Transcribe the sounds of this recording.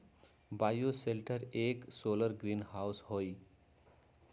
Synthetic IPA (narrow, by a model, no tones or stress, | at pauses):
bajoselʈəɾeksoləɾɡɾinhaʊsɦoj